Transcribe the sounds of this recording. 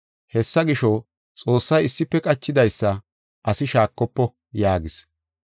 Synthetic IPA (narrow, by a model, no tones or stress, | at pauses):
hɛsːɐɡɪʃɔ | t͡sʼo̞ːsːɐjɪsːɪpːɛkʼɐt͡ʃːɪd̪ɐjsːɐ | ʔɐsɪʃaːkːɔpːɔ | jaːɡɪs